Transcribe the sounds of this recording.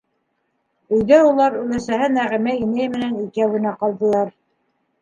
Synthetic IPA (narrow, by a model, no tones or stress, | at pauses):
ɵ̆jðæulˠɑɾʉlæsæɦɘnæʁimæinæjmɘ̆nænikæwɘ̆næqɑlˠd̪ɤ̆lˠɑɾ